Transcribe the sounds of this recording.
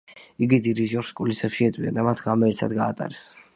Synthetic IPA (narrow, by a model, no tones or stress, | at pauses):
iɡid̪id̪iʒɔɾskʼulisɛpʃiɛt̪ʼwiad̪amat̪ʰʁamɛɛɾt̪ʰa̰d̪ɡaːt̪ʼa̰ɾɛs